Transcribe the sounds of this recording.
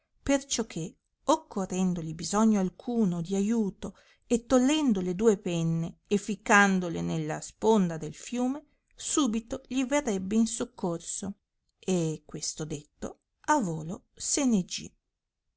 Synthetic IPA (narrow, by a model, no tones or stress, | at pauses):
pert͡ʃɔkʰːe | okʰːorːɛnd̪oʎibizɔɲːoalkʰuːnod̪iajuːt̪o | et̪ːolːɛnd̪oled̪uːepɛnːeːfikːand̪olenelːaspond̪ad̪elfjuːme | suːbit̪oʎiverːɛbːeinsokːorso | ekːwest̪od̪et̪ːo̰ | avoːlosened͡ʒḭ